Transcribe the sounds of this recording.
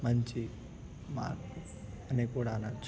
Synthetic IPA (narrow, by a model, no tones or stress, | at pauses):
mɐɲt͡ʃi | ma̰ːɾku | ɐnikuːɽaːnɐt͡ʃː